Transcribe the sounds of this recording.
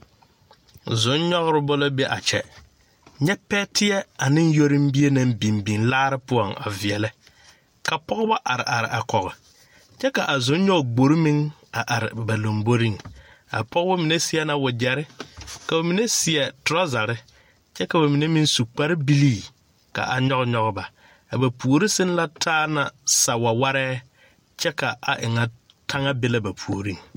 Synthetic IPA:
zʊ˨˦nɲɔ˦ɣɪ˦ɾɪ˦bʊ˦lɔ˦be˦ʔa˨t͡ʃɛ˨ | ɲɛ˦pɛː˦tɪ˦ɛ˦a˨nɪ̃˦n˦jo˦ɾɪ˦m˦bi˦e˦na˦mbi˨mbi˨nlaː˦ɾɪ˦pʊ˦ɔ˨ŋa̰˨vɪ˨ɛ˨lɪ˦ | ka˨pɔ˦ɣʊ˦ba˦ʔa˨ɾɪ˨ʔa˨ɾɪ̰˨ʔa˨kɔ˨ɣɪ˨ | t͡ʃɛ˦ka˨ʔa˨zʊ˨˦n˦ɲɔ˦˨ɡ͡bo˨ɾi˦mɪ˦ŋ | a˨ʔa˨ɾɪ˨ba˨lo˨mbo˦ɾi˦˨ŋ | a̰˨pɔ˦ɣba˦mɪ˨ne˦sɪ˦ɛ˦na˦wʊ˨d͡ʒɛ˨ɾɪ˦ka˨a˨mi˨ne˦sɪ˨ɛ˨tʊ˨ɾa˦za˨ɾɪ˦ | t͡ʃɛ˦ka˨ba˨mi˨ne˦mi˦nsu˨k͡pa˦ɾɪ˦bi˦liː˦˨ | ka̰˨ʔa˨ɲɔ˦ɣɲɔ˦ɣʊ˦ba˨ | a˨ba˨pu˨o˨ɾi˦sɪ˦n˦la˦tʰaː˦na˨sa˨wa˨wa˦ɾɛː˦ | t͡ʃɛ˦ka˨a˨ʔɪ˨ŋa˨ | tʰa˦ŋa˦bɪ˦la˦ba˨pʰu˨o˨ɾi˦ŋ

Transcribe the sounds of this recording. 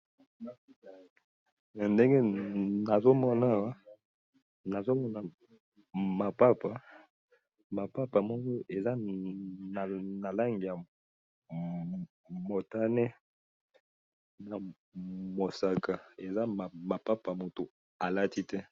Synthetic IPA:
nde˦ŋɡe˦na˨zo˦mɔ˦na˦˨wa˦ | na˨zo˦mɔ˦na˦˨ | ma˨pa˦pa˨ | ma˨pa˦pa˨mɔ˦kɔ˦ʔe˨za˦˨ | na˨la˦ŋɡi˨ja˨ | mo˨ta˦nɛ˦ | na˨ | mo˨sa˨ka˨e˨za˦˨ma˨pa˦pa˨mo˨to˨ | a˨la˦ti˦tɛ˦

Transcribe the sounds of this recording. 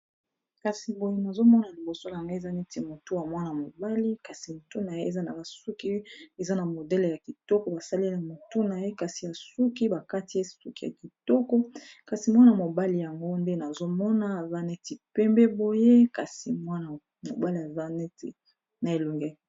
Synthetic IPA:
ka˨si˨bo˨je˦na˨zo˦mɔ˦na˨li˨bo˨so˦la˨ŋɡa˦e˨za˦nɛ˦ti˨mo˨to˦a˨mwa˦na˨mo˨ba˦li˦ka˨si˨mo˨to˦na˨je˦e˨za˦na˨ba˨su˦ki˦e˨za˦na˨mo˨dɛ˦le˨ja˨ki˨tɔ˦kɔ˨˦ba˨sa˦li˦na˨mo˨tu˦na˨je˦ka˨si˨ja˨su˦ki˦ba˨ka˦ti˦e˦su˦ki˦ja̰˨ki˨tɔ˦kɔ˦ka˨si˨mwa˦na˨mo˨ba˦li˨ja˨ŋɡo˦nde˦na˨zo˦mɔ˦na˦˨za˦ne˦ti˨pɛ˦mbɛ˦bo˨je˦ka˨si˨mwa˦na˨ | mo˨ba˦li˨ja˨za˦nɛ˦tḭ˨ | na˨e˨lu˨ŋɡɛ˦

